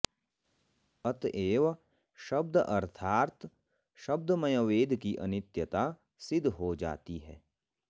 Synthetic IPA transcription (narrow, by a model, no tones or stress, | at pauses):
ɐt̪eːʋ | ʃɐb̚d̪ʔɐɾt̪ʰaːɾt̪ | ʃɐb̚d̪mɐjoʋeːd̪ʱkiʔɐ̰nɪt̪jət̪a | sɪd̪ʱɦod͡ʒa̰ːt̪iɦɛː